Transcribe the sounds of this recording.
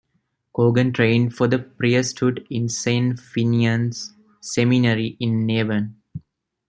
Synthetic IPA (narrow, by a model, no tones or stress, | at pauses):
koːɡə̃nʈɾẽɪ̃ɳɖfɔd̪əpɾiəsʈhuɖɪ̃nsẽːnfiniə̃nsː | eminəɾiʔɪ̃nːeːʋə̃n